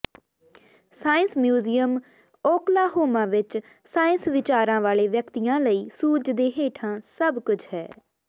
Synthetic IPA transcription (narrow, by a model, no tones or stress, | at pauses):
saːɪ̃nsmjuːziːəm | oːklaːɦoːmãːʋɪt͡ʃ | saːɪnsʋɪt͡ʃaːɾãːʋaːleːʋjəkt̪ijãːləiːsuːd͡ʒd̪eːɦeːʈʰãːsəbkʊt͡ʃʰhɛ̰ː